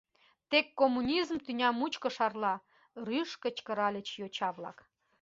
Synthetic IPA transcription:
t̪ekːomːunʲizmt̪ynʲɑmut͡ɕkə̆ʃɑrlɑ | ryʃkə̆t͡ɕkə̆ɾɑlʲə̆t͡ɕjot͡ɕɑβlɑ̰k

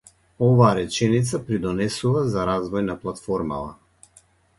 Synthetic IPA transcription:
ɔvaːɾɛt͡ʃɛnit̪sapɾid̪ɔnɛsuvazaɾazvɔjnaplˠat̪fɔɾma̰va̰

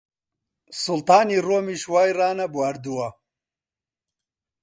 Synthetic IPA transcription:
sult̪aːniroːmiʃwaːjraːnɐbwaɾd̪uwɐ

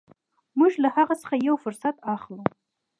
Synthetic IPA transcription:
muʒlahaʁasə̥χajawfʊɾsat̪ʰaχlu

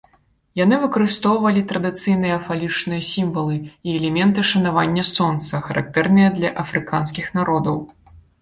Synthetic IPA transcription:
janɨvɨkɐɾɨst̪ɔwvɐlʲit̪ɾɐd̪ɨt̪sɨjn̪ɨjɐfalʲit͡ʂnɨjɐsʲimvɐlˠɨiɛlʲɛmʲɛnt̪ɨʂɐnavanʲːɐsɔnt̪sɐxɐɾʔa̰k̚t̪ɛrnɨjɐd̪lʲɐʔɐfɾɨkanskʲixnaɾɔd̪ɐw

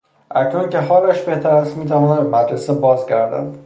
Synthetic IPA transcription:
ʔæcʰnunce̞ɦɒːlæʃbe̞ht̪ʰæɾæst̪miːt̪ʰævɒːnæd̪b̪emæd̪ɾesebɒːzɟæɾd̪æ̰nd̪̥

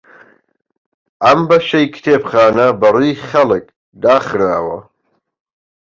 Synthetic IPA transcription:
ɐmbɐʃɐjkʰt̪ʰeːpχaːnɐbɐrujχɐlɨk̚ | d̪aːχɾaːwɐ̰

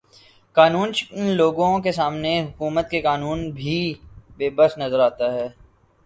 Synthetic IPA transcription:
kaːnuːnt͡ʃkənloːɡõkesaːmneɦʊkuːmət̪̚kekaːnuːnbʱibeːbəsnɐzəɾaːt̪aɦɛː

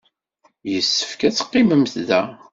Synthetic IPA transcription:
jəsːə̥fkæt͡sːqːɪməmθðæ

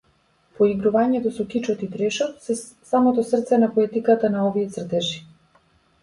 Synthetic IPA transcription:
pɔiɡɾuvaɲɛt̪ɔsɔkit͡ʃɔt̪ip̪ɾɛʃɔt̪sɛ | samɔt̪ɔsr̩t̪sɛnapɔɛt̪ikat̪anaɔviɛt̪sr̩t̪ɛʃi̥

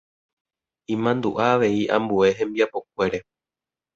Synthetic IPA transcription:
ĩmãnd̪ṵʔaːʋe̞iʔã̰mbue̞ɦẽ̞mbiapo̞k̚ʷe̞ɾe̞

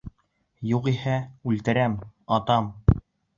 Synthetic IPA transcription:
juqihæʉlt̪ɘ̆ɾæmɑt̪ɑm

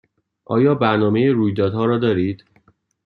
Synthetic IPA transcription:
ʔɒ̰ːjɒːbæɾnɒːmejeɾuːjd̪ɒːd̪hɒːɾɒːd̪ɒːɾiːd̪̥

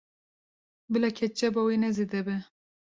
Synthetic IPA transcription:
bɨlɛkʰɛt͡ʃɛbɔwenɛzed̪ɛbɛ

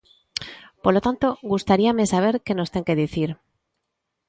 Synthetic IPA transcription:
poɾlo̞t̪ant̪o̞ɣust̪aɾiame̞saβ̞e̞ɾke̞no̞st̪e̞ŋke̞ðiθiɾ

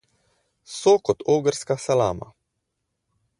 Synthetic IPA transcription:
sokɔt̪oːɡəɾskasalaːma̰

